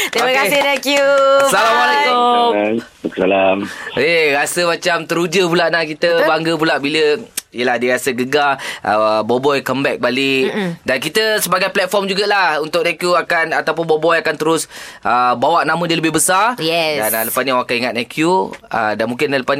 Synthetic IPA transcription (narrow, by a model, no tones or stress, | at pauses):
t̪ɾiməkasɪhnakjusalamaleko | ksalameɾasəmat͡ʃamt̪əɾud͡ʒəpulaʔnakit̪əbaŋɡəp̬ulaʔbiləijəlahdiəɾasəɡəɡaʔə̰bɔbɔjkəmbɛk̚balɪʔdankit̪əsəbaɡajplɛt̪̚fɔrmd͡ʒuɡalahunt̪ʊk̚nakjuakanat̪awp̬ʊnbɔbɔjakant̪əɾʊsʔəbawaʔnamə̃diələbɪhbəsarjɛdanaləpasniawakaniŋat̪̚nakjuə̰danmũŋkɪnləpa